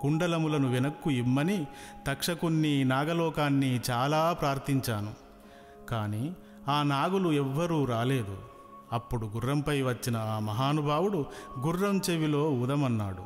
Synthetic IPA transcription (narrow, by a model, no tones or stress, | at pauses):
kuɳɖɐlɐmulɐnuʋinɐkːuimːɐnit̪ɐkʂɐkunːinaːɡɐlɔːkaːnːit͡ʃaːlaːpɾaːɾt̪iɲt͡ʃaːnu | kaːniː | aːnaːɡuluɛʋːɐɾuːɾaːle̞ːd̪u | ɐpːuɽuɡurːɐmpɐjʋɐt͡ʃːinɐaːmɐɦaːnubʱaːwuɽuɡurːɐmt͡ʃeʋilo̞ːud̪ɐmɐnːaːɽu